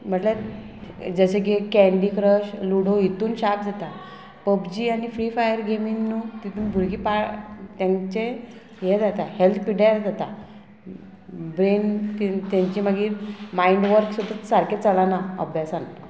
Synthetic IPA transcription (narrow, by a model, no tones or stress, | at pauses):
m̤əʈle | d͡zəɕeɡekɛɳɖikɾəɕluɽ̤oɦit̪uːnɕap̚d͡zat̪a | pəbd͡ʑiːañifɾiːfajəɾɡʱeminːut̪it̪uːnbʱuɾɡipat̪jãnt͡ɕe | jed͡zat̪ahelt̪ʰpiɽaɾd͡zat̪a | bɾent̪it̪jaɲt͡ɕiməɡiːɾmaiɳɖʋəɾksud̪ʱːasaɾket͡səlanaə̰bʱjasan